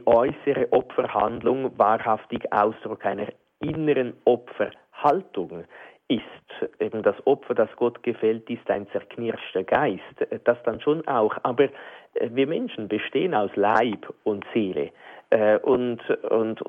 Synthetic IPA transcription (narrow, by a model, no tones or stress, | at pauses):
ʔɔʏsəʁəʔɔpfəha̰ndlʊŋvaːʁhaftɪɡa̰ʊsd̥ʁʊkaɪnəʁ | ɪnəʁənʔɔpfə | haltʊŋ | ɪstʔeːbm̩d̥asɔpfəd̥asɡ̥ɔtɡ̥əfɛltɪstaɪnt͡sɛʁkʰnɪʁʃtəɡ̥aɪstd̥asd̥anʃoːnʔaʊxaːbəʁɛviːɐmɛnʃn̩bəʃteːənaʊslaɪb̥ʊntseːlə̰ʔɛʔʊndʊ̰nd